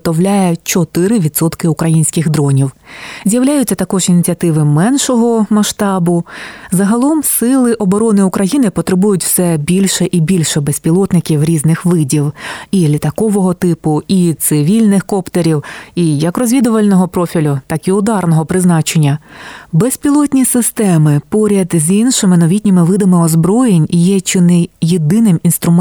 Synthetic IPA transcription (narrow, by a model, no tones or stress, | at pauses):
t̪ɔwlʲajɛt͡ʃɔt̪ɪɾɪʋʲid̪sɔt̪kɪʊkɾɐjinʲsʲkʲɪɣd̪ɾɔnʲiwzʲjɐwlʲajʊt͡sʲːɐt̪ɐkɔʒinʲit͡sʲiɐt̪ɪʋɪmɛnʃɔɦɔmɐʃt̪ɑbʊzɐɦɐlˠɔmsɪlˠɪʔɔbɔɾɔnɪʊkɾɐjinɪpɔt̪ɾɪbujʊtʲw̥sɛbʲilʲʃɛʔibʲilʲʃɛbɛsʲpʲilˠɔt̪nɪkʲiwɾʲiznɪxʋɪdʲiwilʲit̪ɐkɔʋɔɦɔt̪ɪpʊit̪sɪʋʲilʲnɪxkɔpt̪eɾʲiwijɐkrɔzʲʋʲid̪ʊʋɐlʲnɔɦɔpɾɔfʲilʲʊt̪ɑkiʊd̪ɑrnɔɦɔpɾɪznɑt͡ʃenʲːɐbɛsʲpʲilˠɔt̪ʲnʲisɪst̪ɛmɪpɔɾʲɐd̪zʲinʃɪmɪnɔʋʲitʲnʲimɪʋɪd̪ɐmɪɔzbɾɔjenʲjɛt͡ʃɪnɪjed̪ɪnɪminst̪ɾʊm